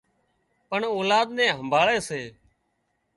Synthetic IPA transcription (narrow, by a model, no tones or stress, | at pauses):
pəɳoːlaːd̪nɛ̃ːɦəmbʱaːɭeːseː